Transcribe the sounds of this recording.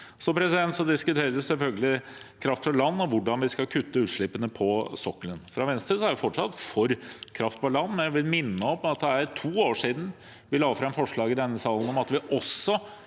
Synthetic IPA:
sɔpʰɾɛsɪd̪ɛnt̪sɔd̪ɪskʉt̪ʰeːɾəd̪ɪsɛlfœlɡəlɪ | kʰɾɑft̪fɔlɑnːɔʋʊɖɑnʋɪskɑlkʰʉt̪ːəʉːt̪ʂɭɪpːənəpʰɔsɔkːələnfɾɑʋɛnst̪ɾəsɔæɖɛfɔʈʂɑt̪ːfɔɾkʰɾɑft̪pɑlɑnːmɛnæʋɪlmɪnːəɔpːɑt̪̚d̪ɛæɾt̪ʰuːoːʂiːd̪n̩ | ʋɪlɑːɡfɾɛmfɔʂɭɑːɡɪd̪ɛnːəsɑːlən̩ɔmɑt̪ʋɪʔɔsɔ

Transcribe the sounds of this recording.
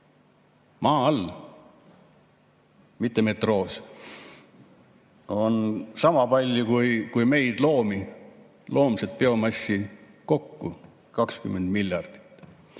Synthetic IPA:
mɑːɑl | mit̪ːeme̞t̪ro̞ːs | o̞nsɑmɑpɑlʲjukujkujme̞jd̪̥lo̞ːmi | lo̞ːmset̪̚peo̞mɑsːi | ko̞kːṵ | kɑkskymːe̞nd̪̥milʲjɑrd̪̥i̥t̪ːˑ

